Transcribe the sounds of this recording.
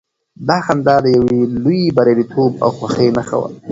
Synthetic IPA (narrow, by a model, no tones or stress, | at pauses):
d̪ɑxand̪ɑd̪əjawelujibaɾaɾit̪ʰoba̰wxwaxejnaxa̰wə̰l